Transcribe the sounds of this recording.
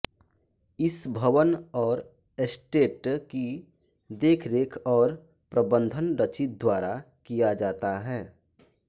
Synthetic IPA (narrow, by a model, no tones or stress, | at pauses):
ɪsbʱəʋənɔːɾ | esʈeːʈki | d̪eːkʰɾeːkʰɔːɾ | pɾəbə̃nd̪ʱənɾət͡ʃit̪̚d̪waːɾa | kijad͡ʒaːt̪aɦɛː